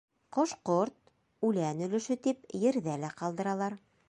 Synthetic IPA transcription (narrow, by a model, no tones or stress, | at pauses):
qŏʃqoɾt̪̚ | ʉlænɵ̆lɘ̆ʃɘt̪ipjɘ̆ɾðælæqɑlˠd̪ɤ̆ɾɑlˠɑɾ